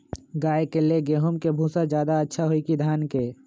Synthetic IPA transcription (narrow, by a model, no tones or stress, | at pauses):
ɡaːekeleɡeːɦʊmkebʱũːsad͡ʒjaːd̪aətːʃʰaɦoikid̪ʱaːnke